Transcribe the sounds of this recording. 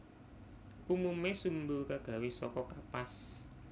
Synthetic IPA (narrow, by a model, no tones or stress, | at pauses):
ʔumumesumbukaɡ̥ä̤wesɔ̰kɔkapas